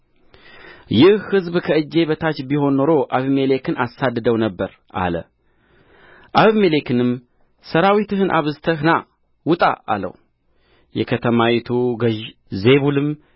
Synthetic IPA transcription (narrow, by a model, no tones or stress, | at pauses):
jɪhhɨzbkʰəɨd͡ʒːe̞βət̪ʰat͡ʃbiho̞nːo̞ɾo̞ʔaβmele̞kʰɨnʔasad̪ːɨd̪əwnəbːəɾ | ʔa̰lə̰ | ʔaβmelekɨnɨm | səɾawit̪ɨɦɨnʔa̰βɨzt̪ʰəhna | wʊt̪ʼa̰a̰lə̰w | jɛ̰kʰət̪ʰəmawit̪ʰuɡəʒ | ze̞βulɨm